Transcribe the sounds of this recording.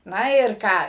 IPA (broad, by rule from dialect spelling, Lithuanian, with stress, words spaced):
ˈnɐ ɪr ˈkɑː